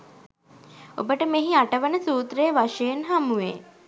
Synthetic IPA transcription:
o̰bəʈəmeɦiaʈəʋənəsuːt̪ɾejʋaʃejenɦamuʋḛ

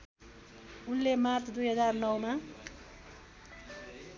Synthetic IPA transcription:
unlemart̪ʰd̪ujɦʌd͡zarnʌwma

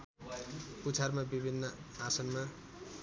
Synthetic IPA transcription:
put͡sʰarmabibʱinːʌasʌnma

